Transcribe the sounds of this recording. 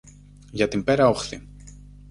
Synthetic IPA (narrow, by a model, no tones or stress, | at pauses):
ʝɐt̪imbe̞ɾɐo̞xθi